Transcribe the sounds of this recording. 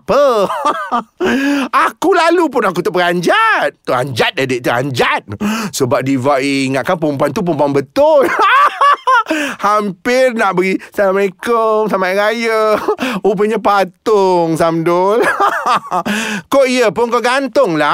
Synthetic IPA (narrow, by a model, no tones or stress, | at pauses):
pə | akulalup̬ʊnak̬ut̪ɔʔbəɡaɲd͡ʒat̪̚ːua̰ɲd͡ʒat̪̚dadeʔt̪ua̰ɲd͡ʒat̪̚səbap̚divaʔiːŋaʔ̪̚kanpumpuant̪up̬umpuanbət̪ʊl | hampɪrnaʔbəɡisalaməekəsamaɾajəup̬əɲəpat̪ʊŋsamdʊl | koʔiəpʊnkoɡant̪ʊŋla